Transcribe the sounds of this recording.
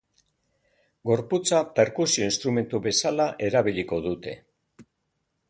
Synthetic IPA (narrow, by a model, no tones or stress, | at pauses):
ɡo̞ɾput͡sape̞ɾkusio̞inst̪ɾume̞nt̪uβe̞salaʔe̞ɾaβiliko̞ðut̪e̞̰